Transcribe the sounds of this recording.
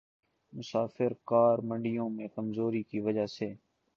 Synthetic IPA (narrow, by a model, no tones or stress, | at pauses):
mʊsaːfɪɾkaːɾmə̃ɳɖɪjõmẽkɐmzoːɾikiʋɐd͡ʒaseː